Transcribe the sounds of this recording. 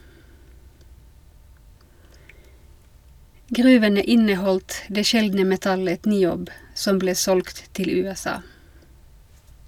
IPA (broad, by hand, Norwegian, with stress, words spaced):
ˈɡʁʉːʋənə ˈʔɪnəˌhɔldt ˈdeː ˈʃɛldnə mɛˈtɑlət nɪˈoːb ˈsɔm ˈbleː ˈsɔlɡt ˈtɪl ˌʉːɛˈsɑː